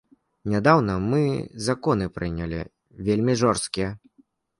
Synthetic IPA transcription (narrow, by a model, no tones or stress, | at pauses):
nʲad̪awnɐmɨzakɔn̪ɨpɾɨnʲɐlʲḭ | vʲelʲmʲiʐɔrst̪kʲijɛ